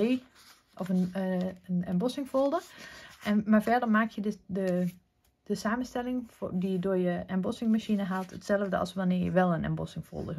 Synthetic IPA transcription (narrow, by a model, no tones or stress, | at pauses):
eː | ʔɔfənənɛmbɔsɪŋfolˠdəʔɛnmaɹfɛɹdəɹmaːkʰjədə | d̥əsaːmənstɛlɪŋfdiədʊəjəɛmbɔsɪŋmaʃinəɦatʰətsɛlˠəvdəɑ̰lˠsʋanɪːɹjə̰ʋɛlˠənɛ̰mbɔ̰sɪŋfo̰lˠdə